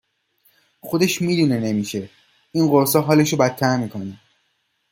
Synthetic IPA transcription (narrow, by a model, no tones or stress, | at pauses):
xo̞d̪e̞ʃmiːd̪unene̞miʃe̞ | inɢoɾsɒɦɒːle̞ʃobæt̪ʰːæɾmiːkʰoni